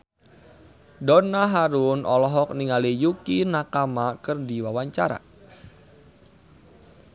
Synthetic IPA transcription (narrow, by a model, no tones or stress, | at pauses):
dɔnaɦaɾʊnʔɔlɔɦɔk̚niŋalijukinakamakɨrdiwawaɲt͡ʃaɾa̰